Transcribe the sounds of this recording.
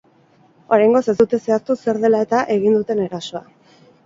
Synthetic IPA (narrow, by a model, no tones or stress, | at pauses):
o̞ɾajŋɡo̞se̞zd̪ut̪e̞se̞ast̪use̞ɾðe̞lae̞t̪aʔe̞ɣind̪ut̪e̞ne̞ɾaso̞a̰